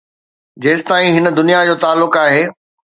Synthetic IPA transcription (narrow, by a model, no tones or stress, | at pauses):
d͡ʑeːsɪ̥t̪aːĩɦɪnə̆d̪ʊnijad͡ʑoːt̪aːlːʊkaːɦeː